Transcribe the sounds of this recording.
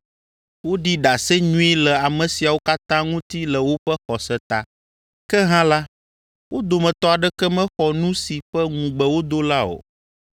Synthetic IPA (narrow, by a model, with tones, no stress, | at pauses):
wo˦ɖi˦ɖa˨sɛ˦ɲũ˦e˦lɛ˨a˨mɛ̃˨si˨a˨wo˦ka˦t̪ã˦ŋũ˦t̪i˦lɛ˨wo˦ɸɛ˦xɔ˨sɛ˦t̪a˨ | kɛ˦ɦã˦la˦ | wʔo˦d̪o˨mɛ̃˨t̪ɔ˦a˨ɖɛ˦kɛ˦mɛ̃˦xɔ˨nũ˦si˨ɸɛ˦ŋũ˨ɡ͡bə˨wo˦d̪o˦la˦o̰˨